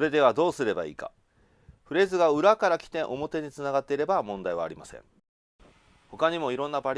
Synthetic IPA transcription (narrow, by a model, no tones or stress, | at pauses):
ɾe̞d̪e̞βad̪o̞ːsɨɾe̞ba̰ḭːka̰ | ɸɯ̟ɾe̞ːzɨɡaɯ̟ɾakaɾakʲi̥t̪ẽ̞ʔo̞mo̞t̪e̞ɲ̟it͡sɨnaɡat̪ːe̞iɾe̞bamõ̞nd̪aiβa̰ːɾʲimasḛ̃ɴ | ho̞kaɲ̟imo̞iɾõ̞nːabaɾ